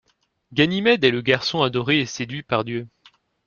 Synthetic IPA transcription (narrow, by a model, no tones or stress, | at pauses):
ɡʲanimɛd̪ɛləɡaʁsɔ̃ad̪ɔʁeːsed̪ɥipaʁd̪jø